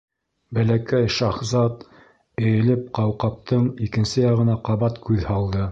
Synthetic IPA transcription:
bælækæjʃɑχzɑt̪ | ɘ̆jɘ̆lɘp̚qɑwqɑp̚t̪ɤɴikɘ̆nsɘjɑʁɤ̆nɑqɑβɑt̪kʉðhɑlˠd̪ɤ

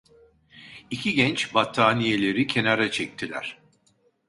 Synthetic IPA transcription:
icʰiɟɛnt͡ʃbat̪ʰːaːnije̞lʲe̞ɾicʰe̞naɾat͡ʃʰɛc̚t̪ʰilʲæ̰ɾ̥

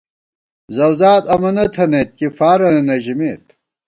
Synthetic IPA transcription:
zɐwzaːt̪ɐmɐnɐt̪ʰɐnet̪̚kifaːɾɐnɐnɐʑimeːt̪

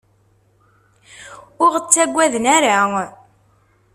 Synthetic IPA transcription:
ʊʁət͡sːæɡʷːæðənæɾa

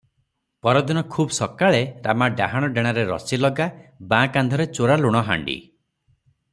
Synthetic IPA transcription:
pɔɾɔd̪inɔkʰuːbɔsɔkaɭeɾamaɖaɦaɽ̃ɔɖeɽ̃aɾeɾɔ̰silɔɡabãkand̪ʱɔɾet͡ʃoɾaluɽ̃ɔɦa̰ɳɖḭ

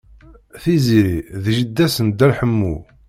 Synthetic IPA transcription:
θiziɾiðʒəd̪ːæsənd̪ælħəmːṵ

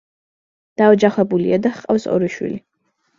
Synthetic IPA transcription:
d̪̥aɔd͡ʒaχwɛbulḭad̪aχqʼa̰wsɔ̰ɾiʃwḭli

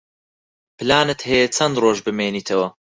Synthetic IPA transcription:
pɨlaːnɨt̪hejet͡sʰɐnd̪roːʒbɨmeːniːt̪ʰɐwɐ

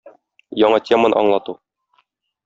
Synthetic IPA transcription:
jɒɴɑtʲemənɤ̰ɒ̰ɴlˠɑt̪u

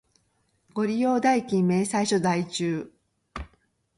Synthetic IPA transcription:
ɡo̞ɾʲijo̞ːd̪aikʲĩmːe̞ːsaiɕo̞d̪ait͡ɕɨː

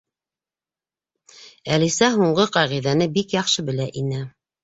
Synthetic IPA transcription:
ælisæɦuɴɢɤqɑʁiðænɘbikjɑχʃɤbɘ̆læʔinɘ

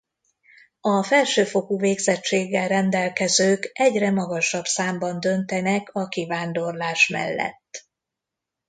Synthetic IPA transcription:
ɒfɛlʃøːfo̞kuveːɡzɛt͡ʃːeːɡːɛlrɛnd̪ɛlkɛzøːkɛɟrɛmɒɡɒʃɒbsaːmbɒnd̪ø̞nt̪ɛnɛkʰɒkivaːnd̪o̞rlaːʃmɛ̰lːɛ̰t̪ː

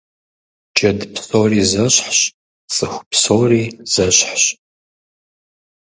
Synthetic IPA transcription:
d͡ʒɐdpʰsʼoːriːzɐɕħɕ | sʼɨxʷpsoːriːz̥ɐɕħɕ

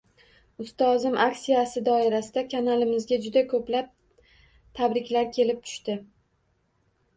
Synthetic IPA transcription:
ʊst̪ɒzɪmʔaksijasɪd̪ɒɪɾasɪd̪akʰanalɪmɪzɡʲad͡ʒʊd̪akʰɵplap̚ | t̪ʰabɾɪkʲlaɾkʲʰe̞lɪp̚t̪ʰʊ̥ʃt̪ɪ

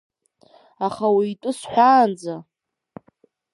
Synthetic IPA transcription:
aχawiːtʼʊsħʷᶣaːnd͡za

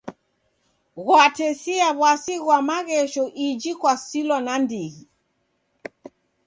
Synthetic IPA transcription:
ɣwatɛsiaβwasiɣwamaɣɛʃɔʔid͡ʒikwasilɔnandiɣi

